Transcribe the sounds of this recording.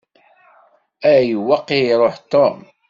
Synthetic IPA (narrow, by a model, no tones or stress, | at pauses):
æjəwɑqːiɾˤoħt̪om